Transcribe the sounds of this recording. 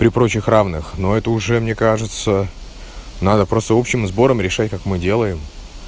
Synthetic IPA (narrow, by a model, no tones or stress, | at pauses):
pɾʲɪpɾo̞t͡ɕɪxravnɨxno̞ɛt̪əʊʐɛmnʲekaʐɨt̪sə | nad̪əpɾo̞st̪əo̞pɕɪmzbo̞ɾəmɾʲɪʂatʲkakmɨdʲe̞lˠəjɪm